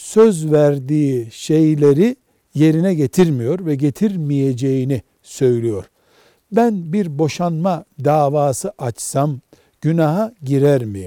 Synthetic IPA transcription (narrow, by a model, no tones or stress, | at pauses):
søzvæɾd̪iːʃe̞jlʲe̞ɾi | je̞ɾinɛɟe̞t̪ʰiɾmijo̞ɾvɛɟe̞t̪ʰiɾmije̞d͡ʒe̞jini | sø̞jlʲijo̞ɾ̥ | bænbiɾbo̞ʃanmad̪aːvaːsɯʔat͡ʃsam | ɟ̥ynaɦaɟiɾæɾmij